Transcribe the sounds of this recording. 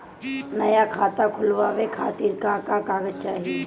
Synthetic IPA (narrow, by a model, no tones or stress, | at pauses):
nɐjakʰaːt̪akʰʊlʋaːʋekʰaːt̪iːɾkakakaːɡət̪̚t͡ʃaːɦi